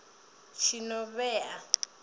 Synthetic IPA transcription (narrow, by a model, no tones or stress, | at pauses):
t͡ʃʰinɔβɛa